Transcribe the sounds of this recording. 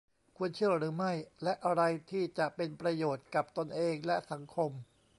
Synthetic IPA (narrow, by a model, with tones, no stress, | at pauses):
kʰu˧ənt͡ɕʰɯ˥˩ɐɾɯː˩˦ma˥˩jlɛ˦˥ʔa˧ɾa˧jt̪ʰiː˥˩t͡ɕa˨˩ʔpe˧npɾa˧joː˨˩t̪̚ka˨˩p̚t̪o˧nʔeː˧ŋlɛ˦˥ʔsa˩˦ŋkʰo˧m